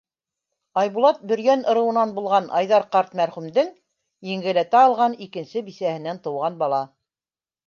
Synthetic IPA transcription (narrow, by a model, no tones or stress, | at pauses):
ɑjβulˠɑt̪̚bɵ̆ɾɡænɤ̆ɾɤ̆wɤ̆nɑnbulˠʁɑnʔɑ̰jðɑɾqɑɾt̪mæɾχʉmd̪ɘŋ | jɘ̆ŋɡɘ̆læt̪æɑlˠʁɑnikɘ̆nsɘbisæhɘ̆nænt̪ɤ̆wʁɑnbɑlˠɑ